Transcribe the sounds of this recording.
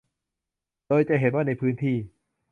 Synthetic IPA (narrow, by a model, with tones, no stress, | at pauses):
doː˧jt͡ɕa˨ʔɦe˨˦nwaː˥˩na˧jpʰɯː˦˥nt̪ʰiː˥˩